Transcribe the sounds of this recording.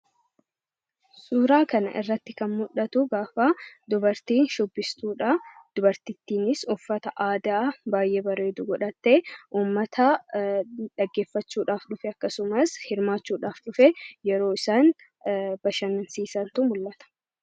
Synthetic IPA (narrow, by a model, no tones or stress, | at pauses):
suːɾaːkɐnɐ̰ʔɪ̰rːɐt̪ːɪkɐnmʊᶑɐt̪ʊɡaːfad̪ʊbɐɾt̪iːnʃɔbːɪst̪uːᶑad̪̥ʊbɐɾt̪ɪt̪ːiːnɪsɔfːɐt̪ɐʔaːd̪aːbaːjʔeːbɐɾe̞ːd̪uːɡɔᶑɐt̪ːeʔuːmːɐt̪ʰɐ | ᶑɐɡːe̞ːfːɐt͡ʃːuːᶑaːfᶑʊfɛɐkːɐsʊmɐshɪɾmaːt͡ʃːuːᶑaːfᶑʊfɛjɛɾo̞ːɪsaːn | bɐʃɐnnsiːsɐnt̪ʊmʊlːɐt̪ɐ̥